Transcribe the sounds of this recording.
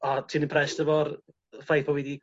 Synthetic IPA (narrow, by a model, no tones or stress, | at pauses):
atʰiːnənpʰrɛstəvɔr | fajpʰɔwidi